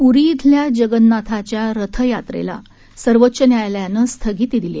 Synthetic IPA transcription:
uɾit̪ʰljad͡ʑəɡənːat̪ʰat͡ɕjaɾət̪ʰəjat̪ɾḛla̰ | səɾʋətːɕənjajljanəst̪ʰəɡiːt̪id̪ile

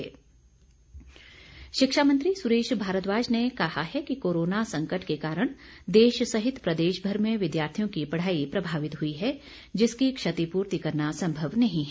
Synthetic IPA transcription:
ʃɪkʃaːmə̃nt̪ɾisʊɾeːʃbʱaːɾət̪ʋaːd͡ʒnekɐɦaɦɛkikoːɾoːnasɐ̃ŋkəʈkekaːɾəɽ̃d̪eːʃsɐɦɪt̪pɾɐd̪eːʃbʱɐɾmẽʋɪd̪jaːɾt̪ʰijõkipɐɽ̤aːipɾɐbʱaːʋɪt̪ɦʊiɦɛ | d͡ʒɪskikʃɐt̪ipuːɾt̪ikɐɾnasɐ̃mbʱəʋnɐɦĩɦ

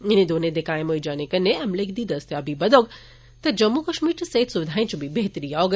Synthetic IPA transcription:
enid̪oned̪ekaemoid͡ʒanekənːeɛmlekʰd̪id̪əst̪jabʱibəd̪oɡ | t̪ɐd͡ʒəmːukəʃmiːɾʈsɦit̪suʋɪd̪ʱaːĩt͡ʃubʱibeɦt̪ɾiaoɡ

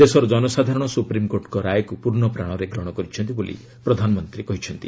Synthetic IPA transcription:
d̪esɔɾɔd͡ʒɔnɔsad̪ʱaɾɔɽ̃ɔsupɾimkoɾʈkɔɾajkupuɾɳɔpɾaɽ̃ɔɾeɡɾɔɽ̃ɔkɔɾit͡ʃʰɔnt̪ibolḭ | pɾɔd̪ʱanɔmɔnt̪ɾikɔɦit͡ʃʰɔnt̪i

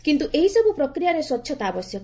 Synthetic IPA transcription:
kint̪uʔeɦisɔbupɾɔkɾijaɾeswɔt̪ːʃʰɔt̪ɔabɔsjɔk

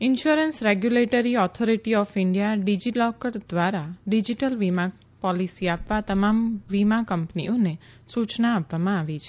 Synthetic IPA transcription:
ɪnʃuɾənsɾeɡjuleʈəɾiɔt̪ʰoɾiʈiɔfɪɳɖijaɖid͡ʒilɔkəɾd̪ʋaɾaɖid͡ʒiʈəlʋima | pɔlisiapʋat̪əmamʋimakəmpnḭone | sut͡ʃnaːpʋamãaʋit͡ʃʰe

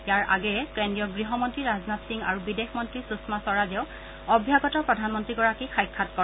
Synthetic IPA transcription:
jaɹʔa̰ɡɛkendijɔɡɹiɦɔmɔntɹiɹaznatsiŋa̰ɹubidexmɔntɹisusmasɔɹazɛʊ | ɔbʱjaɡɔtɔɹpɹɔdʱanmɔntɹiɡɔɹakixʰajkʰːatkɔ

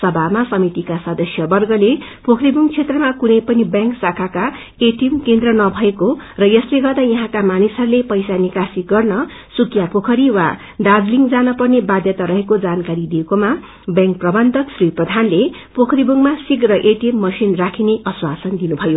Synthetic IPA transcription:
sʌbʱamasʌmit̪ikasʌd̪ʌsjʌbʌrɡʌlepokʰɾibuŋt͡sʰet̪rʌmakunʌjpʌnibjãŋksakʰaka | eʈimkend̪rʌnʌbʱʌeko | rʌjʌsleɡʌrd̪ajʌɦãkamanisɦʌɾulepʌjsanikasiɡʌrnʌ | sukjapokʰʌɾiwa | ɖad͡zliŋd͡zanʌpʌrnebad̪jʌt̪aɾʌɦekod͡zankaɾid̪iekoma | bjãŋk̚prʌbʌnd̪ʱʌksriprʌd̪ʱanle | pokʰɾibuŋmasikrʌʔeʈjimːʌsinrakʰineʔʌswasʌnd̪inubʱʌjo

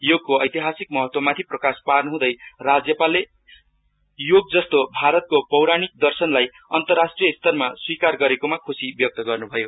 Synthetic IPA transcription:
joɡ̚koʌjt̪iɦasik̚mʌɦʌt̪wʌmat̪ʰiprʌkasparnʌɦũd̪ʌjrad͡zjʌpale | joɡ̚d͡zʌst̪obʱaɾʌt̪̚kopʌwɾanik̚d̪ʌrsʌnlaj | ʌnt̪ʌrːasʈrijʌst̪ʰʌrmaswikarɡʌɾekomakʰusibjʌk̚t̪ʌɡʌrnubʱʌjo

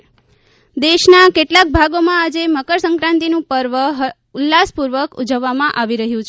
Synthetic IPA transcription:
d̪eʃnakeʈlak̚bʱaɡomãad͡ʒeməkəɾsə̃ŋkɾãnt̪inũpəɾʋəɦ | ulːaspuɾʋəkud͡ʒəʋːamãʔaʋiɾəɦjũt͡ʃʰe

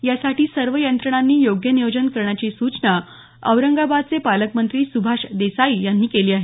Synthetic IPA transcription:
jasaʈiːsəɾʋəjənt̪ɾəɳ̃anːiːjoɡjəniʋəd͡ʑənkəɾɳjat͡ɕisut͡sɳə | əʋɾəŋɡabad̪̚t͡sepaləkmənt̪ɾiːsubʱaʂd̪esaijanːiːkeliːaɦe

